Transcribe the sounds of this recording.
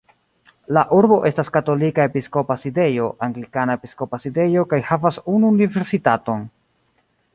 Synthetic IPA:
laʔuɾbo̞ʔe̞staskato̞likae̞pisko̞paside̞jo̞ʔaŋɡlikanaepisko̞paside̞jo̞kajhavasunuːnive̞ɾsitato̞n

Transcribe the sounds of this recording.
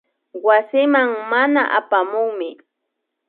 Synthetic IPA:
wasɪmaŋmanaʔapamʊŋmɪ

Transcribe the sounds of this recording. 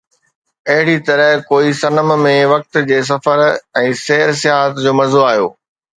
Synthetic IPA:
ɐɦɪɽit̪ɐɾəɦkoːisɐnəm̆mẽʋɐk̚t̪d͡ʑeːs̬ɐfəɾɛ̃ːseːɾs̬ɪaɦət̪d͡ʑoːmɐɾzoaːɦijo̰ː

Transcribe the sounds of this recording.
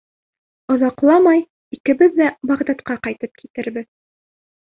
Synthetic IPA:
ŏðɑqlˠɑmɑj | ikɘ̆bɘðːæbɑʁd̪ɑt̪qɑqɑjt̪ɤp̚kʰi̥t̪ɘ̆ɾbɘð

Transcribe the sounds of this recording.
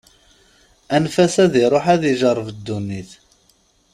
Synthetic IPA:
ænfæsæðiɾˤoħæðiʒəɾˤːvəd̪ːunːiθ

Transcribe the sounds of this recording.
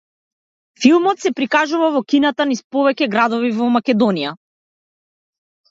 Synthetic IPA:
filˠmɔt̪sɛpɾikaʒuvavɔkinat̪anispɔvɛcɛɡɾad̪ɔvivɔmakɛd̪ɔnija

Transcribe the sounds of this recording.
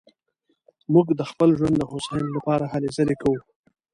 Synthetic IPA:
muɡd̪əxpəlʒwand̪d̪əxosɑjɪnlapɑɾahalezəlekawu

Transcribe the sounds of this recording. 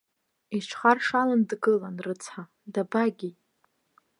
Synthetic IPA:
it͡ʃʷʰχarʂalandɡɨlanrɨt͡sʰħa | dabaɡʲi

